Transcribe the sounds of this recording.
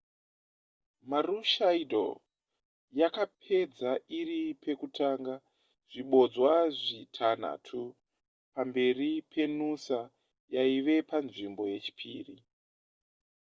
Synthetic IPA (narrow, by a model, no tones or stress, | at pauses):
maruʃaidʱo̰ | jakap̚ʰe̞d͡zairipʰe̞kutʰaːŋɡa | ʐ̥iɓo̞d͡zwaʐitʰan̤a̰ːtʰu | pambe̞ripʰe̞nusa | jaiʋe̞panʐimbo̞je̞t͡ʃi̥pʰiːri